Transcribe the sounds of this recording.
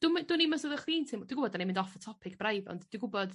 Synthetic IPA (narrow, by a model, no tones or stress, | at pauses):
d̥ʊmdʊniməsɔðəχlˠiːntʰɪmd̥uɡʊbɔdanejmɪndɔfətʰɔpʰɪɡ̚b̥rajbɔ̰ndd̥uɡʊbɔd̥